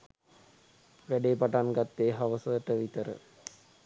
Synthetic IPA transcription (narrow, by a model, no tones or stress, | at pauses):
ʋæɖeːpaʈanɡat̪ːeːɦaʋəsəəʈəʋit̪əɾə̰